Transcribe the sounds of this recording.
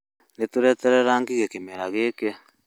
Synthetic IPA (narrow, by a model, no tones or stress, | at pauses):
netuɾɛtɛɾɛɾaŋɡiɣekemeɾaɣeːke